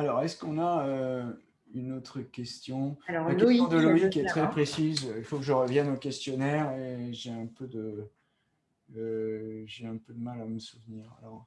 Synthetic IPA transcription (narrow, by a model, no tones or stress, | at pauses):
alɔʁɛskɔ̃naø | ynot̪χəkʲɛst̪jɔ̃lɔalkɛjj̃d̪əloikʲiɛt̪χɛpχesizøilfokəʒəʁəvjɛnokʲɛst̪jɔnɛʁeʒeɛ̃pød̪ə | ʒeɛ̃pød̪əmalaməsuvniːʁa̰lɔʁ